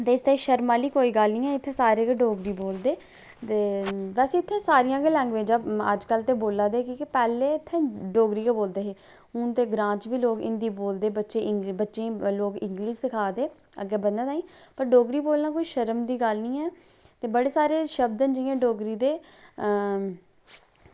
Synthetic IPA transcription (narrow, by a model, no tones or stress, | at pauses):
t̪eːɪst̪aiʃəɾmaːliːkoːiːɡəlnĩːɦɛːɪt̪ʰːeːsaːɾeːɡeɖoːɡɾiːboːld̪eː | t̪eːbɛːsiɪt̪ʰːeːsaːɾɪjãːɡelɛ̃ːŋɡʋeːd͡ʒaːə̰d͡ʒkəlt̪eːboːlaːd̪eːkĩːkɪpɛːleːɪt̪ʰːẽːɖoːɡɾiːkeːboːld̪eːɦeː | ɦʊnt̪eːɡɾãːt͡ʃʋiːloːkɪ̰nd̪iːboːld̪eːbətːʃeːʔɪbətːʃẽːloːɡɪ̃ŋɡliːd͡ʒsɪkʰaːd̪eː | ə̰ɡeːbənd̪aːt̪aːĩː | pəɾɖoːɡɾiːboːlnaːkoːiːʃəɾəmd̪iːɡəlnĩːɛː | t̪eːbəɽeːsaːɾeːʃəb̚d̪ənd͡ʒɪjãːɖoːɡɾiːd̪eː